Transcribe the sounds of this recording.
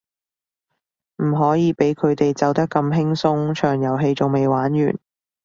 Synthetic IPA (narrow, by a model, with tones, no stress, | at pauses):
m̩˨˩ɦɔː˨˥jiː˨˧pe˨˥jkʰɵ˨˧ɥt̪e˨jt͡sɐ˨˧wt̪ɐ˥kːɐ˧mɦɪ˥ŋsʊ˥ŋt͡ʃʰœː˨˩ŋjɐ˨˩wɦe˧jt͡sʊ˨ŋme˨jwaː˨˥njy̰ː˨˩n